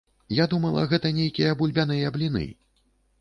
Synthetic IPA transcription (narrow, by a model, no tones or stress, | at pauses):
jad̪umɐlˠɐ̰ɣɛt̪ɐnʲejkʲijɐbulʲbʲan̪ɨjɐblʲinɨ̰